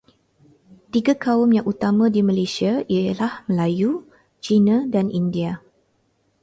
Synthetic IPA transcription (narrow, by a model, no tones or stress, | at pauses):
t̪iɡakaʊmjaŋʔut̪amãdimalesiailahməlaju | t͡ʃinãdanʔindia